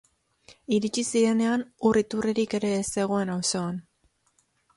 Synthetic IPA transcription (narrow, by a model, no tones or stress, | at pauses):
iɾit͡ʃisiɾe̞ne̞anurit̪ureɾike̞ɾe̞ːse̞ɣ̞o̞e̞nawso̞an